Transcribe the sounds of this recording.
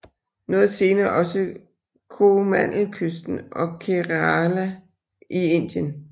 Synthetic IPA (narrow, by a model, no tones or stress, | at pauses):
nɔ̽ːð̞̩ˠse̝ːnɐːʔɒ̽sə | kʰomæn̰l̩kʰøsd̥n̩ʔɒ̽kʰeʁɑlæ | ʔie̝n̰d̥jən